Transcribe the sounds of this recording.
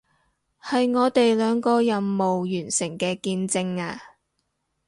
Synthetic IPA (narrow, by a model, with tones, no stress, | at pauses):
hɐ˨jŋɔː˨˧t̪e˨jlœː˨˧ŋkɔː˧jɐ˨nːo˨wjyː˨˩nsɪ˨˩ŋkɛː˧kiː˧nt͡sɪ˧ŋaː˧